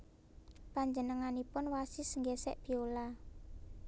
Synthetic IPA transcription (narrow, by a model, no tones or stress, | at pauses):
paɲd͡ʒənəŋanipʊnwasisəŋɡɛsɛ̰ʔb̥i̤ola